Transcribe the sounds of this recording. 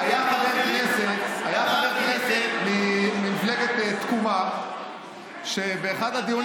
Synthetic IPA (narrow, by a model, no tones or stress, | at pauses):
ajaχabeʁkneset̪ajaχabeʁkneset̪mimimfleɡet̪et̪kuma | ʃebeːχad̪ad̪ijon